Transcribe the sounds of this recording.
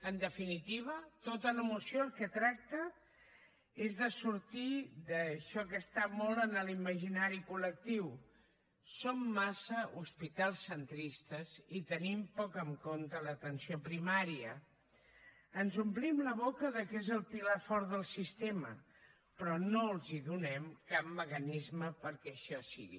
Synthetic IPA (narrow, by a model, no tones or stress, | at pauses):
ənd̪əfinit̪iβ̞ət̪ot̪ələmusioəlˠkət̪ɾak̚t̪ə | ezðəsuɾt̪iðəʃɔkəst̪amɔlˠənəliməʒinaɾikulək̚t̪iw | somːasəʔuspit̪alˠsːənt̪ɾist̪əzit̪ənimpɔkəŋkont̪ələt̪ənsiopɾimaɾiə | ənzumplimləβokəðəkezəlˠpilafɔɾðəlˠsist̪emə̰ | pɾɔnolˠziðunɛmkap̚məkənizməpəɾkɛəʃɔsḭɣḭ